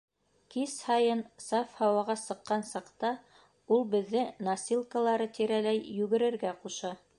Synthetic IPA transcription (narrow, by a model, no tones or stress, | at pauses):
kishɑjɤnsɑfhɑwɑʁɑsɤ̆qːɑnsɑqt̪ɑ | ulˠbɘ̆ðːɘnɐsʲilˠkəlˠɑɾɤt̪iɾælæjːʉɡɘ̆ɾɘ̆ɾɡæquʃɑ